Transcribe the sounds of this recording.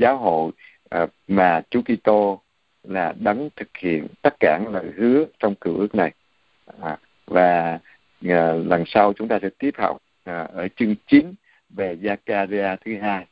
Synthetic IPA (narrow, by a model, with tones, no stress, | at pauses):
zaː˨˦wɦo̰˧˨j | maː˨˩t͡ɕu˨˦ki˧t̪o˧ | laː˨˩ɗə˨˦ŋnt̪ʰɨ˨˩k̚hḭ˧˨ənt̪aː˦˥k̚kaː˧˩nləː˨˩jhɨ˨˦ət͡ɕɔ˧wŋ͡mkɨ˧˩wʔɨ˦˥ək̚na˨˩j | vaː˨˩˨ | lə˨˩ŋsa˧wt͡ɕʊ˨˦ŋ͡mt̪aː˧sɛ̰˧˥t̪i˦˥əp̚hɔ̰˨˩wk͡p̚ | ʔəː˧˩t͡ɕɨ˧əŋt͡ɕi˨˦n | ve˨˩zaː˧kaː˧zi˧aː˧t̪ʰɨ˨˦ɦaː˧j